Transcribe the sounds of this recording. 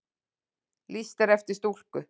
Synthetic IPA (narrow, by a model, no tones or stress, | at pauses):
list̪ɛɾɛft̪ɪst̪ul̥kʏ